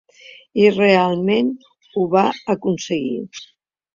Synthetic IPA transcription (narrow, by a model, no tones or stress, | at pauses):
irealˠmen | uβaəkunsəɣḭ